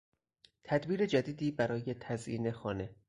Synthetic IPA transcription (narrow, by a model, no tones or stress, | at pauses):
t̪ʰæd̪biːɾed͡ʒæd̪iːd̪iːbæɾɒːje̞t̪ʰæzʔḭːne̞xɒːne̞